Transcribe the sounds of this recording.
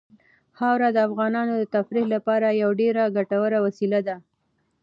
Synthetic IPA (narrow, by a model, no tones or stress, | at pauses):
hɑwɾad̪əafɣɑnɑnod̪ət̪afɾilapɑɾajawɖeɾaɡaʈawəɾawasilad̪a